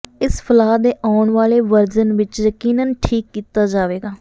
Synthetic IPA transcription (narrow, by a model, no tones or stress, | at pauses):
ɪspʰəlaːd̪eːʔaːʊɳʋaːleːʋəɾd͡ʒənʋɪt͡ʃjəkiːnənʈʰiːkːiːt̪aːd͡ʒaːʋeːɡaː